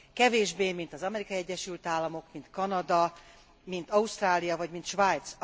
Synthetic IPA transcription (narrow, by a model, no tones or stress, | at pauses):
kɛveːʒbeːmint̪ɒzɒmɛɾikɒiɛɟːɛʃylt̪aːlːɒmo̞kmint̪kɒnɒd̪ɒ | mint̪ɒuʃt̪raːlijɒvɒɟmint̪ʃvaːjt̪s